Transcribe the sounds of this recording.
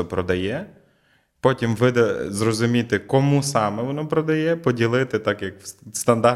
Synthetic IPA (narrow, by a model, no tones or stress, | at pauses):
ɔpɾɔd̪ɐjɛ | pɔtʲimʋɪd̪ɛzrɔzʊmʲit̪ɪkɔmusɑmɛʋɔnɔpɾɔd̪ɐjɛpɔdʲilˠɪt̪ɪt̪ɑkjɐkst̪ɐnd̪ɑ